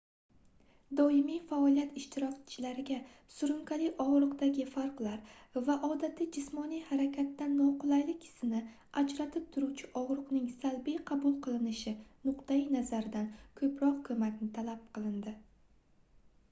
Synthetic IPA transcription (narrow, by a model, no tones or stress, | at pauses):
d̪ɒɪmijfaɒlˠijat̪ɪʃt̪ɪɾɒkʲt͡ʃʰɪlaɾɪɡʲa | sʊɾʊŋkʲʰalɪʔɒʁɾɨqd̪aɡʲɪfaɾqlˠaɾvaʔɒd̪at̪ʰɪd͡ʒɪsmɒnijhaɾakʲʰat̪ːanːɒqʊlˠajlɪkʲɪ̥sɪnɪ | ad͡ʒɾat̪ʰɪp̚t̪ʰʊɾuwt͡ʃʰɪʔɒʁɾɨqnɪŋsalbijqʰɑbʊlˠqʰɨlˠɪnɪʃɪnʊqt̪ajinazaɾɪd̪ankʰɵpɾɒqkʰɵmakʲnɪt̪ʰalap̚qʰɨlˠɪnd̪ɪ